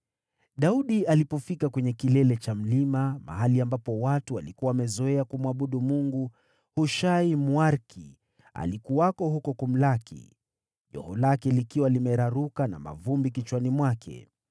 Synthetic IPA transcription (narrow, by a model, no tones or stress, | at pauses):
ɗauɗialipɔfikakwɛɲɛkilɛlɛt͡ʃam̩limama̰ɦaliambapɔwatualikuwawamɛzɔɛakumwaɓuɗumuŋɡu | huʃaimwaɾki | a̰likuwakɔɦukɔkum̩lakḭ | ʄɔ̰hɔlakɛlikiwalimɛɾaɾukana̰ma̰vumbikit͡ʃwanimwakʰɛ̰